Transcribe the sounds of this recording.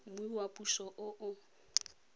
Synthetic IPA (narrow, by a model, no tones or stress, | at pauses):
mʊiwapʼuʃɔʔʊʔʊ